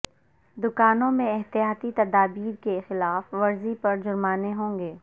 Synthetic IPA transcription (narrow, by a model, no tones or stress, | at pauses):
d̪ʊkaːnõmẽɛɦt̪ijaːt̪it̪ɐd̪aːbiːɾkexɪlaːfʋɐɾzipɐɾd͡ʒʊɾmaːneɦõːŋɡeː